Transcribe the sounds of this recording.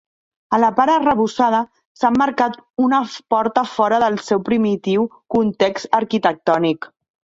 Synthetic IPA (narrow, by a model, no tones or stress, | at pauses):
ələpaɾərəβusað̞ə | samːəɾkat̪unəpɔɾt̪əfɔɾəðəlˠsɛwpɾimit̪iwkunt̪eksəɾkit̪ək̚t̪ɔnik